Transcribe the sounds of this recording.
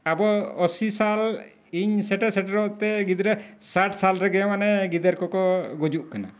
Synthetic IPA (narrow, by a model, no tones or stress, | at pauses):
abɔɔsisal | iɲsɛʈɛsɛʈɾɔʔt̪ɛɡid̪ɾɛsaʈʰsalɾɛɡɛamanɛɡid̪eɾkɔkɔɡɔd͡ʒuʔkana̰